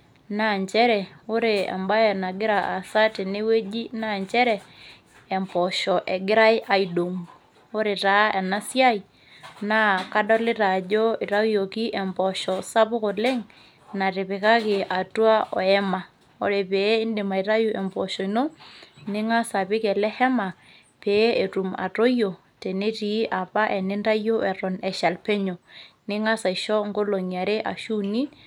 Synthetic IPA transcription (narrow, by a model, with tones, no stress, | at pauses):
na˦˨ɲt͡ʃɛ˦ɾɛ˨o˦ɾe˨a̰˨mba˦jɛ˨na˨ɡɪ˦ɾa˨ʔa˨sa˦te˨ne˦we˦d͡ʒi˦na˦˨ɲt͡ʃɛ˦ɾɛː˨ | mpɔ˨ʃɔ˨ʔɛ˨ɡɪ˦ɾa˦ɪ˦ʔa˨ido˨ŋ | o˦ɾe˨ta˨˦ɛ˨na˦sja˦i˨ | na˦ka˦dɔ˦le˦ta˨d͡ʒo˦i˨ɾa˦jo˨ki˦ʔɛ˨mpɔ˨ʃɔ˨sa˦po˦ko˨le˦ŋ | na˨ɾe˨pe˨ka˦ke˨ʔa˨twa˦ʔɔ̰˨ɛ˦ma˨ | o̰˨ɾe˨pe˨˦ɪ˦ndɪ˨ma˨i˨ɾa˦ju˦ʔɛ˨mbɔ˨ʃɔ˨i˨no˦nɪ˦ŋa˦sa˨pɪ˦kɛ˨lɛ˦hɛ˦ma˨ | pe˨˦e˨tu˨ma̰˨to˦jo˨ | te˨ne˦ti˨˦ʔa˨pa˦ʔɛ˨nɪ˦nda˦jo˦ʔɛ˨ɾɔ˨nɛ˨ʃa˨lpe˦ɲo˨nɪ˦ŋa˦sa˨i˨ʃɔ˦ŋɡo˦lo˨ɲa˨ɾe˦ʔa̰˨ʃu˦ni˦